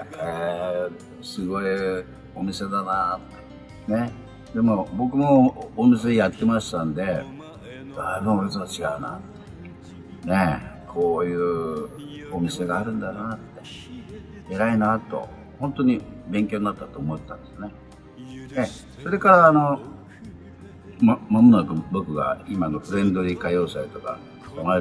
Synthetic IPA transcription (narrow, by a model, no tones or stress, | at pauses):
e | sɨɡo̞i | o̞mʲise̞d̪anat̪ːe | ne̞ | d̪e̞mo̞bo̞kɯ̟mo̞ːmise̞ejat̪ːe̞maɕi̥t̪ãnd̪e̞ | d̪aibɯ̟̃ɰ̃oɾet͡sɨβat͡ɕiɡa̰ɯ̟na̰t̪ːe | ne̞kʰo̞ːjɯ̟ː | omʲise̞ɡaːɾɯ̟̃nd̪ant̪ːe | eɾainat̪o̞̰ | hõ̞nt̪o̞ɲ̟ibẽ̞ŋkʲo̞ːɲinat̪ːat̪o̞ːmo̞t̪et̪ã̰nd̪e̞sɨne̞ | ne | so̞ɾe̞kaɾaːno̞ | mamamɯnakɯ̟bo̞kɯ̟ɡa̰imano̞ɸɯ̟ɾẽ̞nd̪o̞ɾʲikajo̞ːsait̪o̞ka̰ | d̪ama